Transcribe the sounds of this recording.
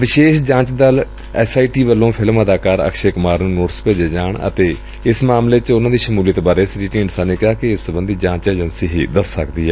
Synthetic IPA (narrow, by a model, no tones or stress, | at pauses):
ʋɪʃeːʃd͡ʒãːt͡ʃd̪əl | ɛːsaːiʈiːʋəlːõːpʰɪlməd̪aːkaːɾə̰kʃeːkʊmaːɾnũːnoːʈspeːd͡ʒeːd͡ʒaːɳə̰t̪eː | ɪsmaːmleːt͡ʃʊnãːd̪iːʃəmuːliət̪ːbaːɾeːɪsɾiːʈiːɳsaːneːkɪaːkɪɪsəbənd̪iːd͡ʒãːt͡ʃeːd͡ʒənsiːɦiːd̪əsːəkd̪iːɦɛː